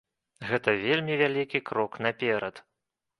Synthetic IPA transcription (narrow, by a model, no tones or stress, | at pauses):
ɣɛt̪ɐvʲelʲmʲivʲalʲikʲikɾɔknɐpʲɛɾɐt̪